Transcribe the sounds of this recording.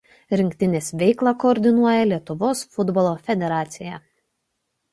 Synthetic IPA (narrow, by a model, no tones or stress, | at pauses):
ɾʲɪŋʲkt̪ʲɪnʲeːsʋʲɛɪklˠɑkɔːɾʲd̪ʲɪnuɔjɛlʲiɛt̪ʊʋoːsfʊd̪bɔlˠoːfʲɛd̪ʲɛɾɑːt̪sʲɪjɛ